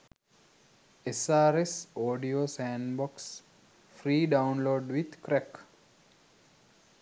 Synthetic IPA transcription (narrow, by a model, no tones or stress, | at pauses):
esaːɾesoːɖioːsæ̃nbɔks | fɾiːɖaʊnloːɖʋid̪kɾæk